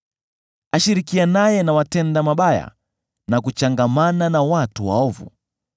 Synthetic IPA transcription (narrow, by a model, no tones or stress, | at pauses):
aʃiɾikianajɛnawatɛndamaɓaja̰ | nak̬ut͡ʃaŋɡamananawatuwa̰ɔvṵ